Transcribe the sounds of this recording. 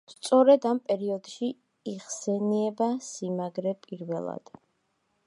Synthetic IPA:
st̪sʼɔɾɛd̪ampʼɛɾiɔd̪̥ʃi | iʁsɛniɛbasimaɡɾɛpʼiɾvɛlˠa̰d̪̥

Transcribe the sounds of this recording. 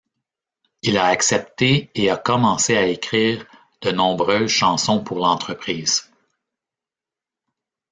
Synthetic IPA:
ilaːksɛp̚t̪eːakɔmɑ̃seaekʲʁiːʁ | d̪̥ənɔ̃bʁøːzʃɑ̃sɔ̃puʁlɑ̃t̪χəpχiːz̥

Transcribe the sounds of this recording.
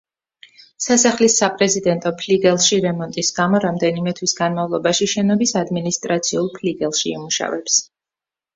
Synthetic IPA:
sasaχlisapʼɾɛzid̪ɛnt̪ʼɔpʰliɡɛlˠʃiɾɛmɔnt̪ʼisɡamɔɾamd̪ɛnimɛt̪ʰwisɡanmavlˠɔbaʃiʃɛnɔbisad̪minist̪ʼɾat̪sʰiulˠpʰliɡɛlˠʃiḭmuʃa̰vɛps

